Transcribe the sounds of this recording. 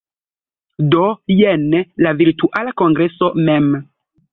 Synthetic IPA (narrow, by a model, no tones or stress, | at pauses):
dojenlaviɾtuʔalako̞ŋɡɾe̞so̞mem